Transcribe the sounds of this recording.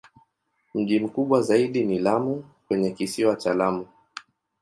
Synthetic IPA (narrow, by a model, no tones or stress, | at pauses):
m̩ʄim̩kuɓwazaiɗinilamukwɛɲɛkisiwat͡ʃalamu